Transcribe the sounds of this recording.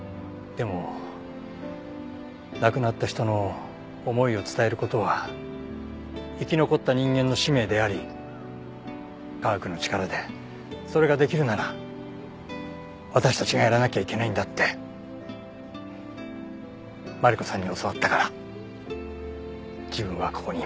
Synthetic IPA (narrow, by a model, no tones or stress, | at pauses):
d̪̥e̞mo̞ | nakɯ̟nat̪ːaçi̥t̪o̞no̞ː | mo̞io̞t͡sɨ̥t̪ae̞ɾɯ̟ko̞t̪o̞βa | ikʲino̞ko̞t̪ːaɲ̟ĩŋɡẽ̞nːo̞ɕime̞ːd̪e̞aɾʲi | kakɯ̟no̞t͡ɕi̥kaɾad̪e̞ | so̞ɾe̞ɡad̪e̞kʲiɾɯ̟naɾa | βat̪aɕi̥t̪at͡ɕiɡajaɾanakʲaikʲe̞naĩnd̪at̪ːe̞ | maɾiko̞sãɲ̟ːio̞so̞βat̪ːakaɾa | d͡ʑibɯ̟̃ɰ̃βako̞ko̞ɲ̟i